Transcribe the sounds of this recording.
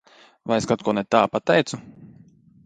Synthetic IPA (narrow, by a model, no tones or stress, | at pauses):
vajeskat̪̚kuɔnɛt̪aːpat̪ɛjt̪su